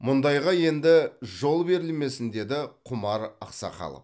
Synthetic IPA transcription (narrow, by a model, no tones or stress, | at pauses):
mʊnd̪ɑjʁɑje̞nd̪ɪʒo̞lˠbe̞ɾɪlme̞sɪnd̪e̞d̪ɪqʰʊmɑɾɑ̰qsɑ̰qɑ̰lˠə̰p